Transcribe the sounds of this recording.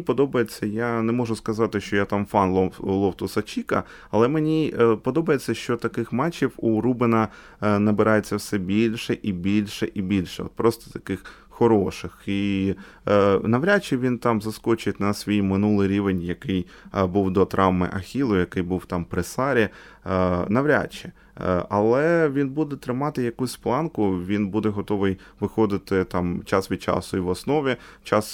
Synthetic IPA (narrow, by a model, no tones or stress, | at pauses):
pɔd̪ɔbɐjet͡sʲːɐjanɛmɔʒʊskɐzɑt̪ɪʃt͡ʃɔjat̪ɑmfɑnlˠɔlˠɔwt̪ʊsɐt͡ʃʲikɐ | ɐlˠɛmenʲipɔd̪ɔbɐjet͡sʲːɐʃt͡ʃɔt̪ɐkɪxmɑt͡ʃʲiwuɾubɪnɐ | nɐbɪɾɑjet͡sʲːɐwsɛbʲilʲʃɛʔibʲilʲʃɛʔibʲilʲʃɛɔ̰t̪̚pɾɔst̪ɔ̥t̪ɐ̥kɪx | xɔɾɔʃɪxi | nɐʋɾʲat͡ʃːɛʋʲint̪ɑmzɐskɔt͡ʃʊjet̪ʲnɐsʲʋʲijmɪnulˠɪjɾʲiʋenʲjɐkɪj | buwd̪ɔt̪ɾʔɑwmɪ̰ʔɐxʲilˠʊjɐkɪjbuwt̪ɑmpɾɪsɑɾʲi | nɐʋɾʲa̰t͡ʃːɪ | ɐlˠɛʋʲinbud̪ɛt̪ɾɪmɑt̪ɪjɐkusʲplˠɑnkʊʋʲinbud̪ɛɦɔt̪ɔʋɪj | ʋɪxɔd̪ɪt̪ɪt̪ɑmt͡ʃɑsʋʲid̪̚t͡ʃɑ̰sʊiʋɔsnɔʋʲit͡ʃɑs